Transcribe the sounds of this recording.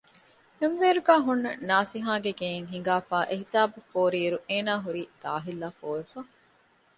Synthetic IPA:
henʋeːɾuɡæːɦunːɐnaːsiɦãːɡeɡeːeŋɦiŋ̆ɡaːfaːʔeɦisaːbufoːɾiːɾuʔeːnaːɦuɾiːd̪̥a̰ːɦilːaːfoːefɐ

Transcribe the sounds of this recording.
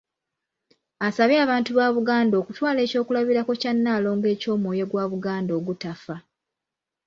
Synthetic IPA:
asaβjaːβaːntuβaːβuɡaːndo̞ːkutwaːle̞ːco̞ːkulaβiɾako̞canːaːlo̞ːŋɡe̞ːco̞ːmwoːje̞ɡwaːβuɡaːndo̞ːɡutafa

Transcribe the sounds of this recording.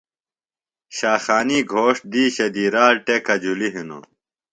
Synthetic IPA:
ɕaːxaːniːɡʱoːʂ̚d̪iːɕɐd̪iːɾaːɾʈekɐd͡ʑuliɦino̰

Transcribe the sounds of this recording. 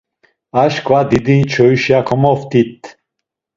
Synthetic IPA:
aʃkʰvad̪id̪it͡ʃʰɔyʃjakʰɔmɔft̪it̪

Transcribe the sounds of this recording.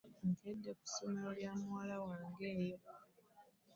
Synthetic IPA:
ŋkʰedːeku̥so̞me̞ɾoljaːmuwaːlawaːŋɡe̞ːjo̞

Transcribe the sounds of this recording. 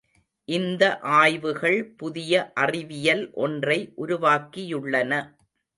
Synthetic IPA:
ʔɪnd̪ɐʔaːjʋɯɣɐɭpʊðɪjɐʔɐrɪʋɪjɐlʔɔndrɐɪʔʊɾʊʋaːkɪjɯɭːɐnɐ

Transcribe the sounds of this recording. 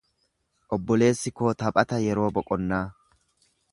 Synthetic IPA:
ʔɔbːɔle̞ːsːɪkoːt̪ɐpʼɐt̪ɐjɛɾo̞ːbɔkʼɔnːaː

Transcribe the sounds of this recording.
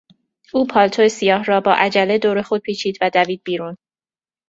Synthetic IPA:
uːpʰɒːlt̪ʰoesijɒːhɾɒːbɒːʔæd͡ʒæle̞d̪oːɾe̞xo̞d̪̥̚pʰiːt͡ʃʰiːd̪væd̪æviːd̪̚biːɾuːn

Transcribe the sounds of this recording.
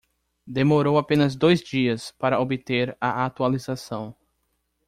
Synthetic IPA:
d̪emoɾowapẽnɐzd̪ojzd͡ʒiɐspaɾɐobɪt̪eɾaʔat̪ualizasɐ̃w̃

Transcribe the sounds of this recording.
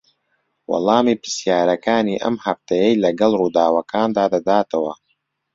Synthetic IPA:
wɑ̰lˠɑːmiːpɨ̥sjaːɾɐkaːniːʔɐ̰mhɐft̪ʰɐjɐjlɐɡɐlˠruːd̪aːwɐkʰaːnd̪aːd̪ɐd̪aːt̪ʰɐwɐ

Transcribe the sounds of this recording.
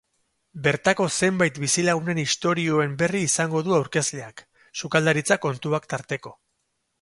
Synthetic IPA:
be̞ɾt̪ako̞se̞mbajt̪bisilaɣ̞une̞nist̪o̞ɾio̞e̞mbe̞riːsaŋɡo̞ðuawɾke̞zle̞ak | sukald̪aɾit͡sako̞nt̪uakt̪aɾt̪e̞ko̞

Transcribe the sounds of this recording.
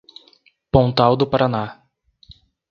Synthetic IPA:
põnt̪awd̪ʊpaɾana

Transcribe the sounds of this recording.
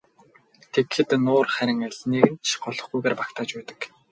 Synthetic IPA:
t̪ʰekxɘ̆t̪nʊːrχæɾʲɪ̆ŋæɮneːɣɘ̆nt͡ɕʰɢɔɮɞ̆χɡujɣeːrpakt̪ʰaːt͡ɕpæːt̪ə̥̆k

